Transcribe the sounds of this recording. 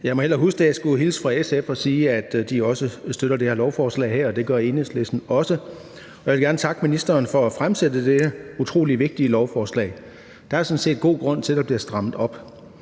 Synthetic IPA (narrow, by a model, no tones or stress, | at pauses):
jɑ̈ɪmɒelɐɦusɡ̥d̥ejasɡ̥uɦilsfʁɑ̈esefɒ̽siːæd̥d̥iɒ̽səsd̥øɾ̥ɐdeheɐlɒʊfɒːslɛ̰ɪɦeɐ̰ɒ̽d̥e̝ɡ̥ɶɐe̝neslesd̥n̩ɒ̽sə | ɒ̽jaʋelɡæɐnət͡sʰɑ̈ɡ̥əminisd̥ɐːnfɒ̽æfʁamsed̥əd̥edəut͡sʰʁo̝̰ːliʋe̝ɡ̥̚d̥iəlɒʊfɒːslɛ̰ɪ | d̥ɑ̈æɐsɔ̽n̩se̝̰ːd̚ɡ̥o̝̰ːɡ̥ʁɔ̽n̰t͡sʰe̝ld̥ɑb̥liɐsd̥ʁɑ̈m̰ð̩ˠɒ̽b̥